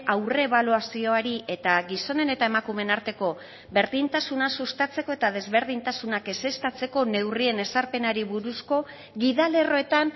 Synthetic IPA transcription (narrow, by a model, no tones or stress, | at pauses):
awreːβ̞aluasio̞aɾiʔe̞t̪aɡiso̞ne̞ne̞t̪ae̞makume̞naɾt̪e̞ko̞ | βe̞ɾðint̪asunasust̪at͡se̞ko̞e̞t̪að̞e̞zβe̞ɾðint̪asunake̞se̞st̪at͡se̞ko̞ne̞wrie̞ne̞saɾpe̞naɾiβuɾusko̞ | ɣiðale̞ro̞e̞t̪an